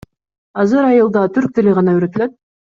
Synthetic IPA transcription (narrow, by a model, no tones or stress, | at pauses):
ɑzɯɾɑjɯlˠd̪ɑt̪ʰyɾk̚t̪eliʁɑnɑyɾøt̪yløt̪̚